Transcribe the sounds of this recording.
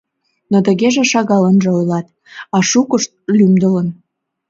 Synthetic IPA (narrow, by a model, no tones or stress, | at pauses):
not̪əɣeʒĕʃɑɣɑlənʒĕojlɑt̪ | ɑʃukəʃt̪̚lymd̪ə̆lə̆n